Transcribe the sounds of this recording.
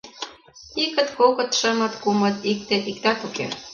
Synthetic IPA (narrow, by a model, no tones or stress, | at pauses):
ikə̆t̪kokɤ̆t̪ʃə̆mɤ̆t̪kumɤ̆t̪ik̚t̪eʔikt̪ɑkukḛ